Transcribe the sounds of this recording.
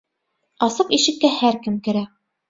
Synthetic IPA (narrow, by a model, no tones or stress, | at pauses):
ɑsɤqiʃɘ̆kːæhæɾkɘmkɘ̆ɾæ